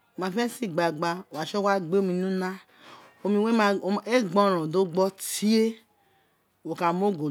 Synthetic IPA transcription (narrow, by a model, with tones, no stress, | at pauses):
o˨ma˨fe˦si˦˨ɡ͡ba˨ɡ͡ba˦˨wa˨ʃo˦wa˦ɡ͡be˦o˦mi˨nu˦na˦ | o˨mi˨we˦˨e˦ɡ͡bɔ˦˨ɾõ˨do˦ɡ͡bɔ˦ti˦e˦ | wo˨ka˨mo˦˨ɡo˨